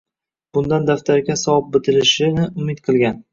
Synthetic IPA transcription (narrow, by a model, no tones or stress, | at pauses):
b̥ʊnd̪and̪aft̪ʰaɾɡʲasɒp̚bɪt̪ʰɪlɪʃɪnɪʊmɪt̪qʰɨlˠɡʲan